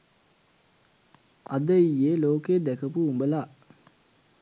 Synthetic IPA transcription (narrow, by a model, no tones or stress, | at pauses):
ad̪əijeloːkeːd̪ækəpuumbəla